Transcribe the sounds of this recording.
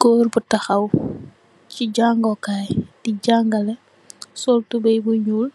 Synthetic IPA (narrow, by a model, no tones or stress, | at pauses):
ɡɔːrbutɐxɐw | ciɟaŋɡɔkaːjdiɟaŋɡɐlɛ | sɔltubɐjbuɲul